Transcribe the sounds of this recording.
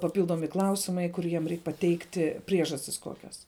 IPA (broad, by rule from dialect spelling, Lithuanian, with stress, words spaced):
pɐˈpʲiːlˠdoːmʲɪ ˈklˠɐʊsʲɪmɐɪ ˈkʊr jiɛm ˈrʲɛɪk pɐˈtʲɛɪktʲɪ ˈpʲrʲiɛʒɐsʲtʲɪs ˈkoːkʲɛs